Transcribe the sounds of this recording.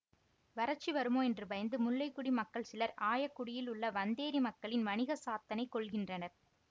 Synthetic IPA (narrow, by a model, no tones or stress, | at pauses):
ʋɐɾɐt͡ʃːiʋɐɾɯmoːɛndrɯbɐjɐnd̪ɯmʊlːɐɪkːʊɽimɐkːɐɭsɪlɐɾaːjɐkːʊɽɪjɪlʊɭːɐʋɐnd̪eːɾimɐkːɐɭɪnmɐnɪɣɐsaːt̪ːɐnɐɪkːɔɭɣɪndrɐnɐɾ